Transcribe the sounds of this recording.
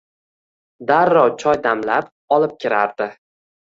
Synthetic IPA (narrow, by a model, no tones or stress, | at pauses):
d̪aɾːɒwt͡ʃʰɒjd̪amlap | ɒlɪp̚kʲʰɪɾaɾd̪ɪ